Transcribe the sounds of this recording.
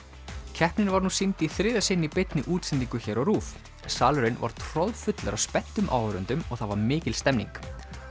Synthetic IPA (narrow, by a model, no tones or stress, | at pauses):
cʰɛhpnɪnvaɾnuːsint̪iθɾɪːðasɪnːipɪt̪nɪʔuːt̪sɛnt̪iŋkʏçɛːɾɔruːf | nsaːlʏɾɪnva̰ɾ̥t̪ʰɾɔðfʏt̪laɾawspɛn̥t̪ʏmʔa̰ːwɾʏnt̪ʏmɔɣθavaɾmɪːcɪlst̪ɛmnḭŋk